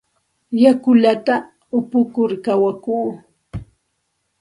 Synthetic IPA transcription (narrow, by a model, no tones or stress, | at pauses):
jakʊʎat̪a | ʊpʊkʊɾkawakuː